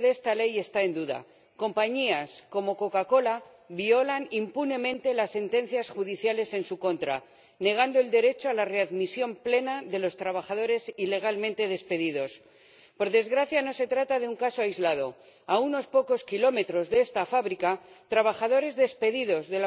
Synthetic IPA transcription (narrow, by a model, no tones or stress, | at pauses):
ðest̪ale̞je̞st̪ae̞nd̪uða̰ | ko̞mpaɲiasko̞mo̞ko̞kako̞la | βio̞lanimpune̞mẽ̞nt̪e̞lasːe̞nt̪e̞n̟θjasxuðiθjale̞se̞nsuko̞nt̪ɾa | ne̞ɣ̞and̪oe̞ld̪e̞ɾe̞t͡ʃoalare̞aðmisjo̞mple̞naðe̞lo̞st̪ɾaβaxaðo̞ɾe̞sile̞ɣ̞almẽnt̪e̞ð̞e̞spe̞ðiðo̞s | po̞ɾðe̞zɣɾaθjano̞se̞t̪ɾat̪aðeuŋkasoajzlað̞o̞ | auno̞spo̞ko̞skilo̞me̞t̪ɾo̞zðee̞st̪afaβɾikat̪ɾaβ̞axaðo̞ɾe̞zðe̞spe̞ðiðo̞zðe̞la